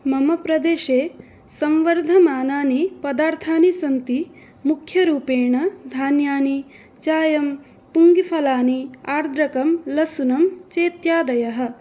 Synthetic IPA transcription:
mɐmɐpɾɐd̪eːʃeː | sɐmʋɐɾd̪ʱɐmaːnaːnipɐd̪aːɾt̪ʰaːnisɐnt̪i | mukʰjɐɾuːpeːɳɐd̪ʱaːnjaːni | t͡ʃaːjɐm | puŋɡifʰɐlaːniaːɾd̪ɾɐkɐmlɐsunɐmt͡ʃeːt̪jaːd̪ɐjɐɦɐ̆

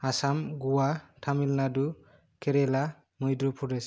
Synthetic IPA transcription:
asamɡuwatʰamilnadu | kʰeɾela | mɔjd̪ɾupʰuɾes

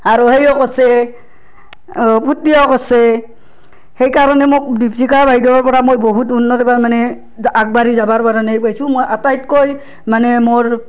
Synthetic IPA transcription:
aɹuhejɔkɔsɛ | pʰutːiɔkɔsɛ | hejkaɹɔnɛmok̚diptikaɹbaɦidɔɔɹpɔɹamojboɦutunːɔtɔpamanɛ | ak̚baɹizabaɹpaɾanaejpajsũmojʔatajtkoj | manɛmoɹ

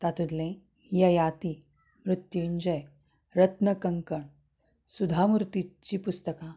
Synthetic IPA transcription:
t̪at̪ud̪lẽ | jəjat̪i | mɾut̪juɲd͡ʑəj | ɾət̪nəkəŋkəɳ | sud̪ʱamuɾt̪it͡ɕiːpust̪əka

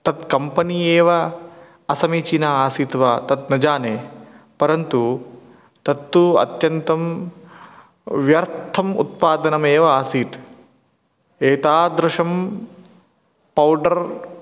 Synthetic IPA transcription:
t̪ɐt̪kɐmpɐnieːʋɐ | ɐsɐmiːt͡ʃinaaːsiːt̪ʋat̪ɐt̪nɐd͡ʒaːneː | pɐɾɐnt̪u | t̪ɐt̪ːuɐ̰t̪jɐnt̪ɐm | ʋjɐɾt̪ʰɐmṵt̪̚paːd̪ɐnɐmeːʋɐaːsiːt̪ | eːt̪aːd̪ɾʊʂɐm | pɐwɖɐɾ

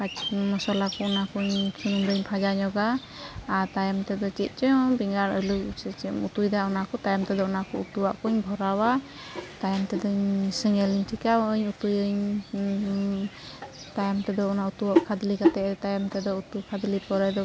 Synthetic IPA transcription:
kat͡ʃmɔsɔlakɔɔnakuɲsunumdɯɲpʰad͡ʒaɲɔɡaː | ɾt̪ajɔmt̪ɛd̪ɔt͡ʃit̪̚ˀt͡ʃɔbiŋɡaɾɔjlusɛt͡ʃmut̪ujd̪aunakɔt̪ajɔmt̪ɛd̪ɔɔnakɔut̪uwaʔkuɲbʱɔɾawa | t̪ajɔmt̪ɛd̪ɔɲsɛŋɛliɲʈʰikaɲut̪ujɯɲ | t̪ajɔmt̪ɛd̪ɔunaut̪uwaʔkʰad̪likat̪ɛt̪ajɔmt̪ɛd̪ɔut̪ukʰad̪lipɔɾɛd̪ɔ

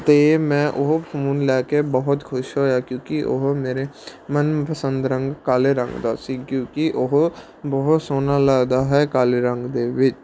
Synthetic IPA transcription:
t̪emɛ̃ʔʊɦpʰuːnlɛːkebəɦʊt̪kʰʊʃɦoːjakjõːkiʔʊ̰ɦmeːɾemənpəsə̃nd̪ɾə̃ŋɡkaːleɾə̰̃ŋɡd̪aːsĩkjõːkiʔʊɦ | bəɦʊt̪soːnalaːɡd̪aɦɛkaːleɾə̃ŋɡd̪eːʋɪt͡ʃ

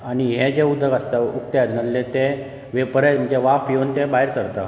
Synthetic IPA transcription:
aɽ̃iɦed͡ʑeud̪ʱːəɡəst̪aukt̪jad̪nəllet̪e | ʋepəɾəm̤əɳd͡ʑeʋafjont̪ebaɦiɾsəɾt̪a

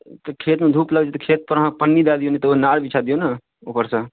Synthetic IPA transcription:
t̪ɔkʰet̪mẽd̪ʱuːpləɡt͡ʃʰet̪ɔkʰet̪̚pəɾɦãpənːid̪ad̪ijonit̪ɔonaɽbit͡ʃʰad̪ijona | opəɾsə

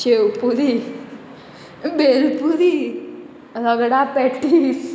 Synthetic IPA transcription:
ɕewpuɾi | belpuɾi | ɾəɡɽapɛʈis

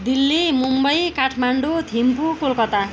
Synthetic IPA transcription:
d̪ilːimumbʌjkaʈʰmaɳɖot̪impukolkʌt̪a

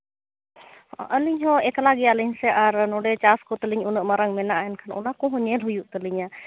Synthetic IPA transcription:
ʔəliɲɦɔ̃ɛklaɡɛjaliɲsɛʔaɾnɔɖɛt͡ʃaskɔt̪əliɲunəʔməɾaŋmɛnaʔaɛnkʰanʔɔ̰nakɔ̃ɦɔ̃ɲɛlɦujuʔt̪əliɲa

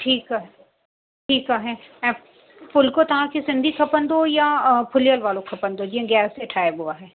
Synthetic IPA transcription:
ʈʰiːkaɦɛ | ʈʰiːkaɦɛːɛ̃ː | fʊlkot̪ɐɦãkisɪ̃nd̪ʱikʰɐpənd̪ojapʰʊlijəlʋaːlõkʰɐpənd̪od͡ʒiɛ̃ɡɛːseʈʰaːebuaɦɛː

